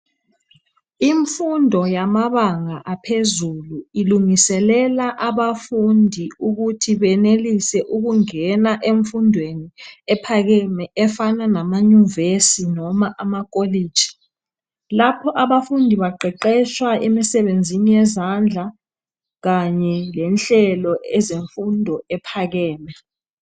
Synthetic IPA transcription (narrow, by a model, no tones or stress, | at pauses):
iɱfundʱɔjamaβaŋaʔapʰezuluiluŋisɛlɛlaʔaɓafundʱiuɣutʰiβɛnelisɛʔuɣuŋɛnaʔeɱfundʱweniɛpʰaɣ̬ɛmɛʔɛfananamaɲuvesinɔmaʔamak̬ʼoliːd̥ʒ̥ʱi̥ | lapʰɔʔaβafundʱiβaǃʱɛǃɛʃwaʔemisɛɓend͡zʱinijɛzand͡ɮʱa | ɣaɲɛlɛnɬɛlɔɛzeɱfundʱɔɛpʰaɣɛːmɛ